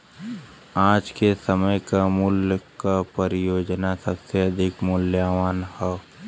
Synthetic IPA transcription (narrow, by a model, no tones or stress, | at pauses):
ãːd͡ʒkesəməjkamʊljəkapəɾɪjoːd͡ʒnasəbseɐd̪ʱɪkmʊljaːʋaːnhɛ